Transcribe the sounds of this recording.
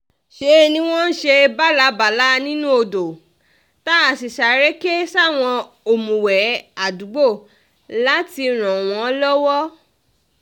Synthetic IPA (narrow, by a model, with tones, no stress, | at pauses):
ʃe˧˦˧nĩ˧w̃ɔ̃˦n̩˦ʃe˧ba˦la˨˦ba˨la˨˦nĩ˦nũ˦o˧do˨ | ta˦a˨si˨ʃa˨ɾɛ˦ke˦sa˦˨w̃ɔ̃˧ | o˨mũ˨wɛ˨˦a˨du˨˦ɡ͡bo˦˨ | la˨˦ti˧ɾ̃ɔ̃˨w̃ɔ̃˨˦lɔ˦wɔ˦